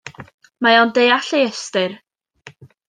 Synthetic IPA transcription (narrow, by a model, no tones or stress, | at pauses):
majawndejaɬejɛstɪr